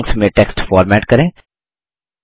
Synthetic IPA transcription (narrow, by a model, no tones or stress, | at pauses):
ŋksmẽʈɛːksʈfɔːɾmɛːʈkɐɾẽː